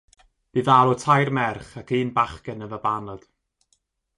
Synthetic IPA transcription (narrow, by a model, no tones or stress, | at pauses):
b̥ɨðaːɾɔtʰajrmɛrχakiːnbaχkənəvəbanəd̥